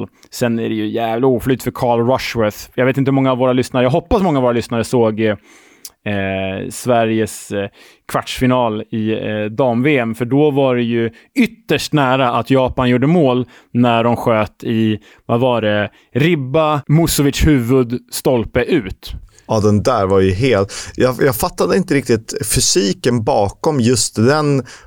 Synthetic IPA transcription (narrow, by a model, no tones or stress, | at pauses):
l | sɛnæɖɛjɵjæːvlɪuːflyːt̪t̪fœɾkʰɑːɭɾɔʂwɛθjɑɡvet̪ɪnt̪əhɵmɔŋːavːoːɾalʏsnaɾəjɑɡɦɔpːasmɔŋːavoːɾalʏsnaɾəsoːɡ | svæɾjəs | kʰvaʈʂfɪnɑːlɪd̪ɑːmveːɛmfœɖɔvaɖɛjɵ | ʏt̪ːəʂʈnæːɾaʔat̪jɑːpanjuːɖəmoːl | næɖɔmɧøːt̪ɪ | vavɑːɾɛ | ɾɪbːamʊsɔvɪt̪ʂhʉ̟ːvɵd̪st̪ɔlpəʔʉ̟ːt̪ | ɑd̪ɛnd̪æːɾvaɾjɵɦeːlt̪jɑjɑːɡfat̪ːad̪əɪnt̪əɾɪk̚t̪ɪt̪fʏsiːkənbɑːkɔmjɵst̪d̪ɛn